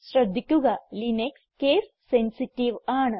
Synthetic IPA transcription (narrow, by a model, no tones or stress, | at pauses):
sɾɐd̪ʱːikʲːuɣɐlinekskeːs | sensiʈiʋaːɳɨ